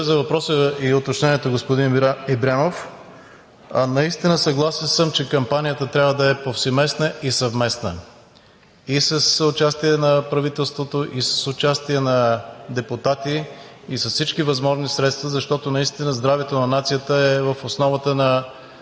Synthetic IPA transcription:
zɐvɐpɾɔsəiot̪ot͡ʃnɛniɛt̪oɡospʊd̪inɛbɾʲanof | nɐist̪inəsɐɡlˠasɛnsəmt͡ʃɛkɐmpanijət̪ət̪ɾʲavəd̪ɐɛpofsɛmɛsnəʔisɐvmɛsnə̰ | isɐsʊt͡ʃast̪iɛnɐpɾɐvit̪ɛlˠst̪vot̪oʔisə̥sʊt͡ʃast̪iɛnɐd̪ɛpʊt̪at̪iːsɐssit͡ʃkivɐzmɔʒnisɾɛt̪st̪vɐzɐʃt̪ɔt̪onɐist̪inəzd̪ɾavɛt̪onɐnat̪sijət̪əɛvəfosnɔvət̪ənɐ

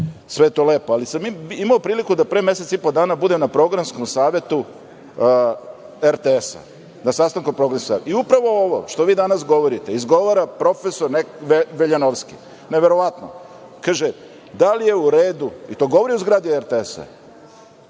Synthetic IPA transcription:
sʋejet̪oleːpoalisamiimaopɾiːlikud̪apɾeːme̞set̪sipod̪aːnabud̪e̞mnapɾo̞ɡɾansko̞msaːʋe̞t̪u | eɾt̪eesa̰ | nasast̪aŋkompɾoɡɾansko̥saʋet̪iupɾaʋo̞oʋo̰ʃt̪o̞ʋiːd̪anasɡo̞ʋo̞ɾit̪e̞izɡo̞ʋaɾapɾo̞fe̞soɾneeʋeʎanoʋski | neʋe̞ɾo̞ʋat̪no̰ | kaːʒe | d̪alije̞uɾeːd̪uit̪o̞ːɡo̞ʋoɾiuzɡɾad̪ieɾt̪eesa̰

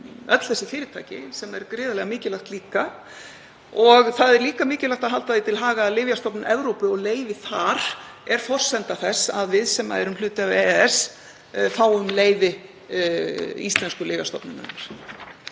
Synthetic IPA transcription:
œt̪l̥θɛsːɪfɪːɾɪt̪ʰa̰ːjcɪ̰sɛmɛɾkɾɪːðalɛɣamɪːcɪlaxt̪liːka | ɔɣθaðɛɾliːkamɪːcɪlaxt̪aðɦalt̪aðit̪ʰɪlɦaːɣalɪːvjast̪ɔpnʔɛvɾowpʏɔɣleːjvɪθaɾ̥ɛɾ̥fɔr̥sɛnt̪aθɛsːaðvɪðsɛmːa̰ɛɾʏmlʏːt̪ɪavɛɛs | θaːwʏmleːjvɪ | ist̪lɛnskʏlɪːvjast̪ɔpnʏna̰naɾ̥

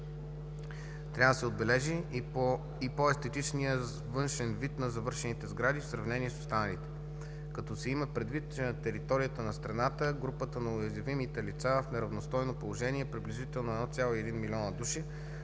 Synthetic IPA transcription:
t̪ɾʲavəd̪əsɛod̪̚bɛlɛʒi | ipoɛst̪ɛt̪it͡ʃnijə | vɤnʃɛnvit̪nɐzɐvɤɾʃɛnit̪ɛzɡɾad̪ifsɾɐvnɛniɛso̥st̪anɐlit̪ɛ̥ | kɐt̪ɔsɛiməpɾɛd̪vit̪t͡ʃɛnɐt̪ɛɾit̪ɔɾijət̪ənɐst̪ɾɐnat̪əɡɾupət̪ənɐʊjɐzʲɐvimit̪ɛlit̪safnɛɾɐvnost̪ɔjnopolˠoʒɛniɛpɾibliʒit̪ɛlˠnoɛd̪ɔt̪sʲjalˠoiɛd̪inmiliɔnəd̪uʃi

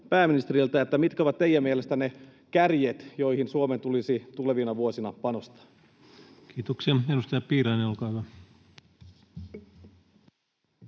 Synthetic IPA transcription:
pæːminist̪erilt̪æet̪ːæmit̪kæoʋɑt̪t̪eijæmielest̪ænekærjet̪jo̞ihinsuoment̪ulisit̪uleʋinɑʋuosinɑpɑnost̪ɑ̥ | kiːt̪okseenust̪ɑjɑpiːɾɑineolkɑˑːhyʋæ

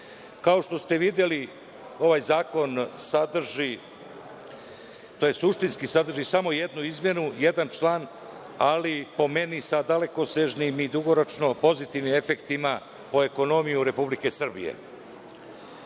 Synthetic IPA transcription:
kao̞ʂt̪o̞st̪e̞ʋid̪je̞li | o̞ʋaːjzaːko̞nsad̪r̩ʒi | t̪ojesuʃt̪inskisad̪r̩ʒisamo̞je̞d̪nuizmje̞nujed̪ant͡ʃlaːn | alipo̞me̞nisad̪ale̞ko̞seʒnimid̪uɡoɾo̞t͡ʃno̞po̞zit̪iʋnime̞fekt̪ima | po̞e̞ko̞no̞mijuɾe̞publike̞sr̩bḭjḛ

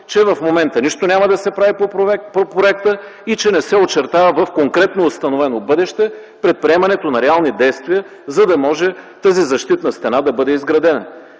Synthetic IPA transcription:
t͡ʃɛvɐfmomɛnt̪əniʃt̪onʲaməd̪ɐsɛpɾavipopopɾoɛkt̪ə | it͡ʃɛnɛsɛot͡ʃɛɾt̪avəvɐfkoŋkɾɛt̪noːst̪ɐnovɛnobɤd̪ɛʃt̪ɛ | pɾɛt̪̚pɾiɛmɐnɛt̪onɐɾɛalˠnid̪ɛjst̪viə | zɐd̪ɐmɔʒɛt̪azizɐʃt̪it̪nɐst̪ɛnad̪ɐbɤd̪ɛizɡɾɐd̪ɛnə̰

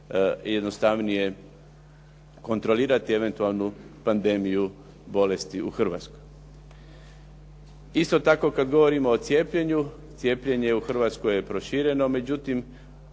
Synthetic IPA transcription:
jed̪nost̪aʋnije̞ | ko̞nt̪ɾo̞liːɾat̪ieʋe̞nt̪ualˠnupand̪e̞miju | bo̞le̞st̪iuxr̩ʋa̰t̪skoj | ist̪o̞t̪ako̞kad̪ɡo̞ʋo̞ɾimo̞ːt̪sje̞ːpʎe̞ɲu | t̪sije̞ːpʎe̞ɲe̞uxr̩ʋat̪skoje̞pɾo̞ʃiːɾe̞no̞me̞d͡ʑut̪im

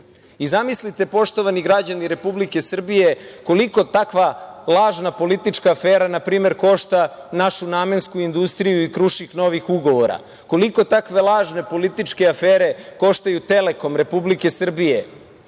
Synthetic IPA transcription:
izamislit̪e̞po̞ʃt̪o̞ʋaniɡɾad͡ʑaniɾe̞publike̞sr̩bije̞ko̞liko̞t̪akʋalˠaːʒnapo̞lit̪it͡ʃkaːfeːɾanapɾiːme̞ɾko̞ʃt̪anaʃuname̞nskuind̪ust̪ɾijuikɾuʃixno̞ʋixuɡo̞ʋoɾa̰ | ko̞liko̞t̪akʋe̞lˠaːʒne̞po̞lit̪it͡ʃke̞afeːɾe̞ko̞ʃt̪ajut̪e̞le̞ko̞mɾe̞publike̞sr̩bije̞

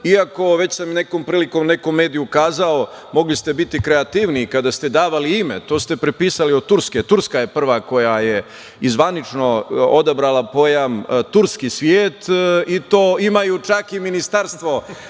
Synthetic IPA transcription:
iako̞ʋe̞t͡ɕsamine̞ko̞ːmpɾiːliko̞mne̞komːe̞ːd̪ijukaːzao̞mo̞ɡlist̪e̞bit̪ikɾeat̪iːʋniːkad̪ast̪e̞d̪aːʋaliimḛt̪o̞ːst̪e̞pɾepiːsaliod̪̚t̪uɾsket̪uɾskajepr̩ʋako̞jaje | izʋanit͡ʂno̞od̪abɾalapo̞jamt̪uɾskisʋjeːt̪it̪oːimajut͡ʃakiminist̪aɾst̪ʋo̞

